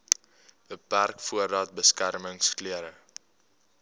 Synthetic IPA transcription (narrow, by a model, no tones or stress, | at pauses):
bəpærkfuəɾɑːt̚bəskærməŋskliəɾə